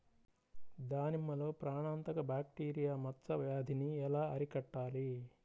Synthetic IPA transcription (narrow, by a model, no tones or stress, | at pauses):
d̪aːnimːɐlo̞ːpɾaːɳaːnt̪ɐkɐbaːk̚ʈiːɾijaːmɐt̪sɐʋjaːd̪ʱiniɛlaːɐɾikɐʈːaːli